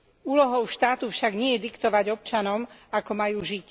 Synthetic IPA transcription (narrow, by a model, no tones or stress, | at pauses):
uːlɔɦɔʊʃt̪aːt̪ufʃaɡɲɪɛjɛd̪ikt̪ɔʋaɟɔp̚t͡ʃanɔmakɔmajuːʒic